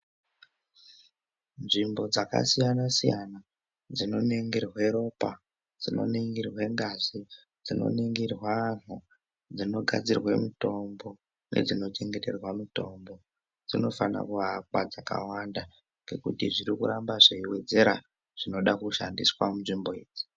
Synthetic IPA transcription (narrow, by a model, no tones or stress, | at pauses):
nʐimbo̞d͡zaka̰sijanasijana | d͡zino̞neŋɡirwe̞ɾo̞pa | d͡zino̞̰niŋɡirwe̞ŋɡazi | d͡zino̞̰niŋɡirwan̤u | d͡zino̞ɡʱad͡zirwemito̞mbo̞ | ne̞̰d͡zino̞t͡ʃe̞ŋɡe̞te̞rwamito̞ːmbo̞ | d͡zino̞fana̰kuɦakwad͡zaka̰wanda | ŋɡe̞kṵtiʐiɾikuɾambaʐeiwe̞d͡ze̞ɾa̰ | ʐ̥ino̞ɗakuʃandiswamunʐimbo̞eːd͡zi̥